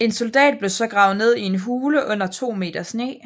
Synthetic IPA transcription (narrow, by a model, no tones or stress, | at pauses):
e̝nso̝ld̥ɛ̰ːd̥̚b̥le̝sɒ̽ɡ̥ʁɑ̈ʊne̝ð̰ˠie̝nɦuːləʔɔ̽n̰ɐt͡sʰo̝̰ːme̝̰ːd̥ɐsne̝̰ː